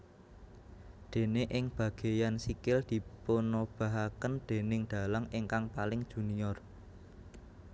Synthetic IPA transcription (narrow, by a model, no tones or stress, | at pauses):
d̪̥e̤neʔɪŋb̥ä̤ɡ̥e̤jansikɪld̪̥i̤ponob̥a̤ɦakənd̪̥e̤nɪŋd̪̥a̤laŋɪŋkaŋpalɪŋd̥ʒ̥ṳniɔr